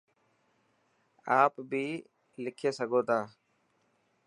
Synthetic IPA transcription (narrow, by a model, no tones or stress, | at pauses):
aːpbʱiː | lɪkʰeːsəɡʱoːt̪ãː